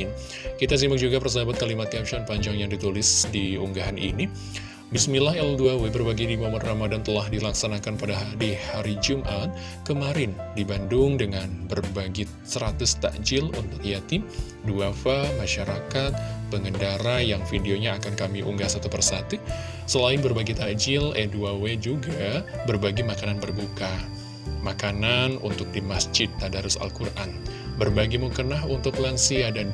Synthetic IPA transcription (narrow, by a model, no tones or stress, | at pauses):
n | kit̪as̬imbak̚d͡ʒuɡapərs̬abat̪̚kalimat̪iapʃɔnpaɲd͡ʒaŋjaŋdit̪ulɪsdiṵŋɡaɦanʔḭni | bɪsmilaɦɛlduawebərbaɡidimomɔnramadant̪əlahdilaksanakanpadaɦaɾihaɾid͡ʒumʔat̪̚ | kəmaɾɪndibandʊŋdəŋanbərbaɡi | səɾat̪ʊst̪a̰d͡ʒɪlṵnt̪ʊk̚ijat̪ɪm | duafamaʃaɾakat̪̚bəŋəndaɾajaŋfidioɲaːkankamiʔṵŋɡasat̪upərsat̪u | səlaɪnbərbaɡit̪ad͡ʒɪleduawed͡ʒuɡabərbaɡimakananbərbuka | makananṵnt̪ʊk̚dimasd͡ʒɪt̪ːadaɾusa̰lkurʔan | bərbaɡimukənaɦunt̪ʊklansiadan